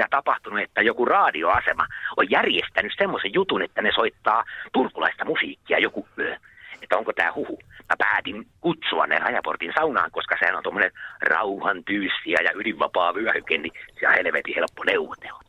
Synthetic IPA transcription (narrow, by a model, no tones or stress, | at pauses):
ɑt̪ɑpɑht̪unuet̪ːæjokurɑːdioɑsemɑojjærjest̪ænyssemːosejjut̪unet̪ːænesoit̪ːɑːt̪urkulɑist̪ɑmusiːkːiɑjokuø | et̪ːæoŋkot̪æ̰ːhuhut̪ɑpæːt̪iŋkut̪suɑ̰nnḛnɑjɑport̪insɑunɑ̰ːŋkoskɑsehænont̪omːonenrɑ̰uhɑnt̪yːsːiæjɑyliʋːɑpɑːʋyæhykennisit̪æ̰heleʋet̪ihelpːoneuʋːot̪e̥lːɑ̥